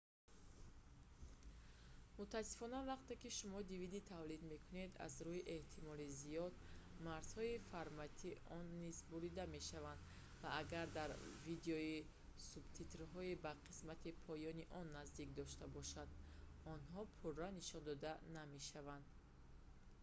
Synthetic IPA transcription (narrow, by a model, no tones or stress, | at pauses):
mut̪ʰaːsːi̥fɔnavaqt̪e̞kiʃumɔd̪ivid̪it̪ʰavlid̪me̞kʰune̞d̪a̰zɾuhiʔe̞ht̪ʰimɔlizijɔd̪̚maɾz̥hɔifaɾmat̪ʰiʔɔnːizbuɾid̪ame̞ʃavand̪ | vaaɡaɾd̪aɾvid̪eɔi | subt̪ʰit̪ɾɦɔibaqʰi̥smat̪ʰipʰɔjɔniʔɔnːazd̪ik̚d̪ɔʃt̪abɔʃad̪ | ɔnɦɔpʰurːaniʃɔnd̪ɔd̪aname̞ʃavand̪